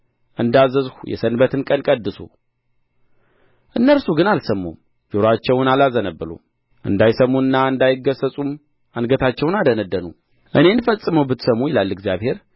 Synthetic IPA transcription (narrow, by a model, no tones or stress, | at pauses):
ʔɨnd̪azəzhujɛ̰sənbət̪ʰɨnkʼənkʼəd̪ːɨsṵ | ʔɨnːəlsuɡɨnalsəmːṵm | d͡ʒoɾat͡ʃːɛwnalazənəbːɨlṵ | ʔɨ̰nd̪ajsəmːuɨnːaɨnd̪ajɪɡəsəsʼum | anɡət̪ʰat͡ʃːɛwnad̪ənəd̪ːənṵ | ʔɨne̞nfəsʼɨməwbɨt̪səmujɪlalːɨɡzijaβhe̞ɾ